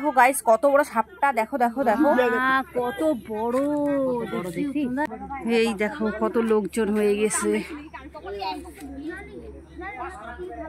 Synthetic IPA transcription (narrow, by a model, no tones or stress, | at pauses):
kʰoɡajskɔt̪obɔɽoʃap̚ʈad̪ɛkʰod̪ɛkʰod̪ɛkʰokɔt̪obɔɽo | obei | ejd̪ɛkʰokɔt̪olokd͡ʑonɦojeɡɛt͡ɕʰe